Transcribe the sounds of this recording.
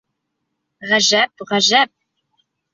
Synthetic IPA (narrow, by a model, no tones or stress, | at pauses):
ʁæʒæp̚ʁæʒæp̚